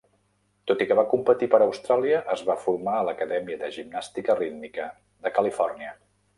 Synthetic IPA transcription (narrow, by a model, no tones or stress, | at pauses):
t̪ot̪ikəβakumpət̪ipəɾəwst̪ɾalˠiəʔəzβafuɾmaələkəðɛmiəðəʒibnast̪ikərid̪mikə | ðəkəlifɔrniə